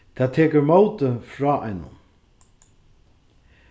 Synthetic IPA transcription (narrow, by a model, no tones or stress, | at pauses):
t̪ʰaːt̪ʰɛːkəɹmowt̪əfɹɔːʔa̰jnʊ̰n